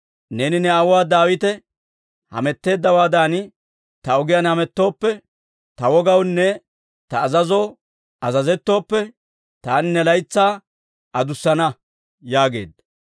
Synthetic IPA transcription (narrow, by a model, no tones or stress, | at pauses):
neːnɪnɛɐwaːd̪aːwɪt̪ɛ | hɐ̰mɛt̪ːe̞ːd̪ːɐwaːd̪aːnɪ | t̪ɐɔɡɪjɐnhɐmɛt̪ːo̞ːpːɛ | t̪ɐwɔɡɐwnːɛ | t̪ɐːzɐzoː | ɐzɐzɛt̪ːo̞ːpːɛ | t̪aːnɪnːɛlɐjt͡sːaː | ʔɐd̪ʊsːɐnɐ | jaːɡe̞̰ːd̪ːɐ̥